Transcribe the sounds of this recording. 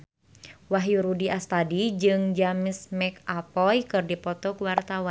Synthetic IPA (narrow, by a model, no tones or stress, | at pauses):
waɦjuɾudiast̪adid͡ʒɨŋd͡ʒamɪsmɛkapɔjkɨrdipɔt̪ɔkuwart̪awan